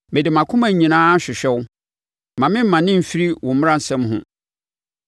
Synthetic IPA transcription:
mɪ˨dɪ˨mã˨kʰʊ̃˦mã˨ɲĩ˨nãː˦˨ɕᶣɪ˨ɕᶣɛ˦wʊ˦ | mã˨mɪ̃˦m̩˦mã˨nɪ̃˦m̩˨fi˦ɾi˦wʔɔʊ̃˨m̩m˦ɾã˦n̩˨sɛ̃˦mɦʊ̰̃˦

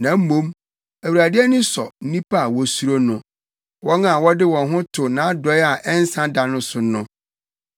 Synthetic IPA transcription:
nã˨m̩˦mõ˦m | æ˨wu˨ɾa˨dɪ˦ɛ˦nʊ̃˦sɔ˨n̩˦nĩ˦pa˦a˨wɔ˨su˦ɾo˦nʊ̃˨ | wɔ˦ŋa˨wɔ˦dɪ˦wɔ̃˨nɦʊ̃˦tʰʊ˨nã˨˦a˦dɔ˦ja˨ʔɛ˦n˦sã˦da˨nʊ̃˦sʊ˨nʊ̃˦

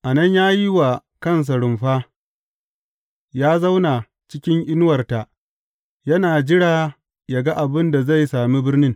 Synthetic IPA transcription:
ʔa˨nɐ˦ɲjaː˦ji˦wa˨ | kɐ˦˨ns̬a˨ɽʊ˨mɸaː˦ | jaː˦za˦wnaː˨ | t͡ʃɪ˦kʲɪ˦ŋʔɪ˦n˦wɐ˨rta˨ʔ | jɐ˦naː˨d͡ʒɪ˦ɽaː˨ | ja˨ɡa˦ʔa˨bɪ˦nda˨za˦˨jsaː˨mi˦bɪ˦rnɪ˦ŋ

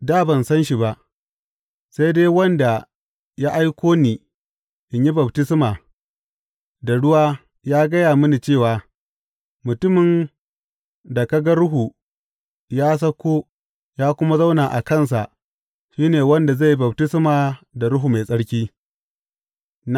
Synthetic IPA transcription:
daː˦bɐ˨nsɐ˦nʃi˨ba˨ʔ | sa˦jdeː˦wɐ˦nda˨ | ja˦ʔa˦jkʷoː˦niː˨ | ʔɪ˨ɲji˦bɐ˨btɪ˦smaː˨ | da˨ɽʊ˦waː˦ | jaː˦ɡɐ˦jaː˨mʊ˦ni˨t͡ʃeː˦˨waː˨ | mʊ˨tʊ˦mɪ˨n | da˨ka˦ɡa˦ɽʊ˦ɦu˨ | jaː˦s̬ɐ˦kʷoː˦ | jaː˦kʷʊ˦ma˦za˦wnaː˨ʔa̰˨kɐ˦˨ns̬a˨ʔ | ʃiː˦neː˨wɐ˦nda˨za˦˨jbɐ˨btɪ˦smaː˨da˨ɽʊ˦ɦu˨ma˨sʼɐ˦ɽkʲiː˦

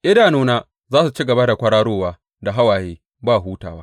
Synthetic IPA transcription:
ʔɪ˦daː˨noː˦naː˦ | zaː˦su˨t͡ʃi˦ɡɐ˨ba˦da˨kʷɐ˦ɽaː˦ɽoː˦waː˦ | da˨ɦa˦waː˨jeː˦ | baː˦˨ɦuː˦ta̰ː˨waː˦

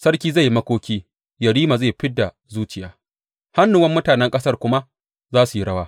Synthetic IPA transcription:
sɐ˦rkʲiː˦za˦˨ji˦mɐ˦kʷoː˦kʲiː˦ | jɐ˨ɽiː˦ma˨za˦˨ɸɪ˦dːa˨ | zuː˦t͡ʃɪ˨jaː˦ | ha˦nːu˨wɐ˦mːʊ˦taː˨nɛ˦ŋkʼɐ˦sɐ˦rkʷʊ˦ma˦ | zaː˦su˨ji˦ɽɐ˦waː˦

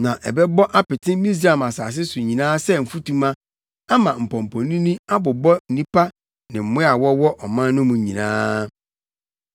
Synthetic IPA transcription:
nã˨ʔɛ̰˨bɛ˦bɔ˦ʔa˦pɪ˨tʰɪ̃˦mĩ˦s̬ɾa˦˨ma˨saː˨s̬ɪ˦sʊ˨ɲĩ˨nãː˦sɛ˦m̩˨fu˦tũ˦mã˦ | a˦mã˨m̩˨pʰɔ̃˨m̩˨pʰɔ̃˨nĩ˦nĩ˦a˦bʊ˨bɔ˦n̩˨nĩ˦pʰa˦ | nɪ̃˨m̩˨mʊ̃˦a˨wɔ˦wɔ˦ʔɔ˨mã˦n˦nʊ̃˦mũ˨ɲĩ˨nã̰ː˦

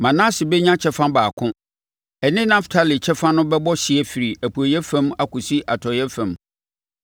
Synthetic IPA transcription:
mã˨nã˦sɪ˨bɛ˦ɲã˦t͡ɕʰɛ˦fã˦baː˨kʰʊ̃˦ | ɛ˨nɪ̃˦nã˦ftʰa˦li˨t͡ɕʰɛ˦fã˦nʊ̃˦bɛ˦bɔ˦ɕɪ˨ɛ˦fi˨ɾi˨æ˨pʰu˨æ˨jɛ˦fɛ̃˦ma˨kʰʊ̃˨si˦ʔa˨tʰɔ˨jɛ˦fæ̃˨m

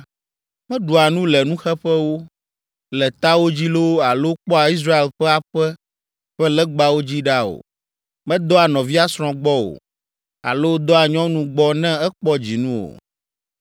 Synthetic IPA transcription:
mɛ̃˦ɖu˨a˨nũ˦lɛ˨nũ˦xɛ˦ɸɛ˦wo˦ | lɛ˨t̪a˦wo˦d͡ʑi˦lo˦wa˨lo˦k͡pɔ˦a˨i˦s̬ɾa˦e˨lɸɛ˦a˨ɸɛ˦ | ɸɛ˦lɛ˦ɡ͡ba˦wo˦d͡ʑi˦ɖa˦o̰˨ | mɛ̃˦d̪ɔ˦a˨nɔ̃˨vi˦a˦sɾ̃ɔ̃˦ɡ͡bɔ˦o̰˨ | a̰˨lo˦d̪ɔ˦a˨ɲɔ̃˦nũ˦ɡ͡bɔ˦nɛ̃˦ɛ˦k͡pɔ˦d͡ʑi˨nũ˦o̰˨

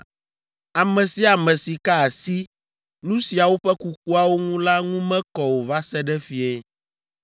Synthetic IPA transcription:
a˨mɛ̃˨si˦a˨mɛ̃˨si˨ka˦a˨si˦ | nũ˦si˨a˨wo˦ɸɛ˦ku˨k̚u˦a˦˨wo˦ŋũ˦la˦ŋũ˦mɛ̃˦kɔ˨wo˨va˦sɛ˦ɖɛ˦fi˨ɛ˦

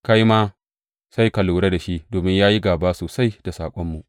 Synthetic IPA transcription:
ka˦ji˦ma˦ | sa˦jka˨luː˨ɽe˦da˨ʃi˦ʔdoː˨mɪ˦ɲjaː˦ji˦ɡaː˨baː˦soː˨sa˦jd̥a˨saː˨kʷʼɔ˦mːu˨ʔ

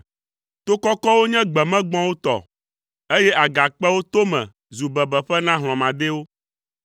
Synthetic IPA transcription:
t̪o˦kɔ˦kɔ˦wo˦ɲɛ̃˦ɡ͡bɛ˨mɛ̃˦ɡ͡bɔ̃˦wo˦t̪ɔ̰˨ | e˦je˦ʔa˨ɡa˨k͡pɛ˦wo˦t̪o˦mɛ̰̃˨ | zu˨bɛ˨bɛ˨ɸɛ˦nã˦ɦl̃ɔ̃˨mã˨d̪e˦wo˦

